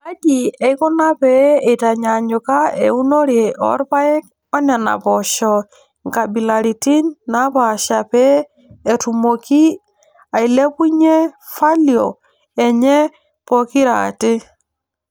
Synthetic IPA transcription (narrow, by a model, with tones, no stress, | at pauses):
a˦ɡi˨ɛ˨i˦kɔ˦na˦pɛ˦e˨ta˨ɲa˨ɲʊ˨ka˦ḛ˨u˦no˦ɾe˨ʔɔ̰˦ɾpa˦e˦k | ɔ˦na˨na̰˨pɔʃɔ | ŋka˨bi˨la˨ɾi˨ti˦nna˦pa˨ʃa˨pɛː˦˨ | tu˨mo˨ki˦ | a˨i˨le˦pu˦ɲɛ˦ | fa˦ljɔ̰˨ | ɛ˨ɲɛ˦ | pɔ˨ki˦ɾa̰ː˨tɪ˦